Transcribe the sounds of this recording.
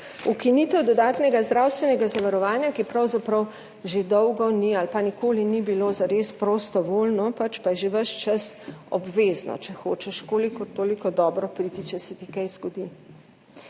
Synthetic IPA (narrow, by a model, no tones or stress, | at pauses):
ukinit̪ɛwd̪ɔd̪aːt̪nɛɡazd̪ɾaːwst̪ʋɛnɛɡazaʋaɾɔʋaːnjakipɾɐwzapɾɐw | ʒed̪ɔwɡɔnialpanikʰoːlinibilozaɾespɾost̪ɔʋoːlnɔpat͡ʃpajɛʒeʋəʃt͡ʃasɔ̰bʋeːznɔ̰t͡ʃɛxo̰ːt͡ʃɛʃkoːlikɔt̪oːlikɔd̪ɔːbɾɔpɾit̪it͡ʃɛsɛt̪ikajzɡɔd̪i